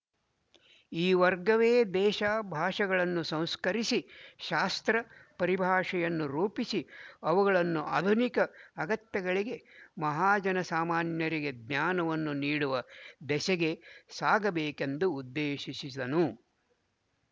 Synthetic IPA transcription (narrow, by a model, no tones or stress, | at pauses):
iːʋɐɾɡɐʋeːd̪ɛːʃaːbʱaːʂɐɡɐɭɐnːusɐ̃w̃skɐɾisiʃaːst̪ɾɐpɐɾibʱaːʂɐjɐnːuɾuːpisiɐʋuɡɐɭɐnːuʔaːd̪ʱunikɐːɡɐt̪jɐɡɐɭiɡe̞mɐɦaːd͡ʒɐnɐsaːmaːnjɐɾiɡe̞d̪naːnɐʋɐnːuniːɽuʋɐd̪ɛsɛɡe̞saːɡɐbeːkend̪uːd̪ːeːʃisid̪ɐnu